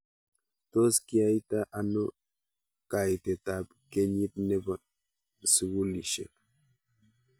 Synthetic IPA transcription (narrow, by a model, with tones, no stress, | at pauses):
to˦skiajt̪a˦ʔano˦ | ka˨jt̪e˨t̪apke˦ɲi˦t̪ne˦ba | su˨wu˦li˨ʃḛp